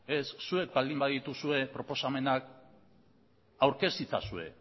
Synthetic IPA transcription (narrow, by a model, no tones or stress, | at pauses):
e̞sːue̞k̚bald̪imbaðit̪usue̞pɾo̞po̞same̞nak | awɾke̞st̪it͡sa̰sue̞̰